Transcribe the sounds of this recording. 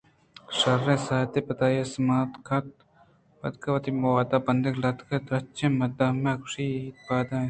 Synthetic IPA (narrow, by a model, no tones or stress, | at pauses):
ʂɐɾːẽːsaːt̪epɐt̪aːjesmaːt̪kʰɐt̪̚ | bɐ̰t̪kɐwɐt̪imɐwaːd̪aːbɐnd̪eklɐt̪kʰɐd̪ɾɐt͡ʃẽːmɐd̪ɐmekʂiiːt̪̚baːd̪ãː